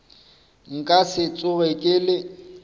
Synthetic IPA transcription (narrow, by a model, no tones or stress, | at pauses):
ŋ̩kʼasɪt͡sʼʊɣɛkʼɪlɪ